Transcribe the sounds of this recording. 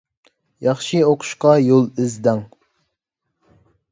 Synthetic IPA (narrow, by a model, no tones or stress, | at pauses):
jɑχʃioqʰʊ̥ʃqɑjolˠɪzd̪ɛŋ